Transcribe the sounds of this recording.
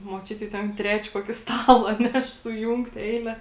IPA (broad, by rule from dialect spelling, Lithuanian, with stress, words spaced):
muɔˈt͡ʃʲʊtʲɪ jɛʊ ˈtʲɛn ˈtʲrʲæːt͡ʃʲɛ ˈkuɔkʲɪ ˈstɑːlˠɐ ˈnʲɛʃ sʊˈjuːŋktʲ ˈɛɪlʲɛ